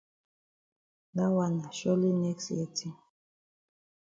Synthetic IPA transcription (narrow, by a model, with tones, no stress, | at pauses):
da˦wa˨na˨ʃɔ˦li˦nɛ˦ksjɛ˦tʰi˦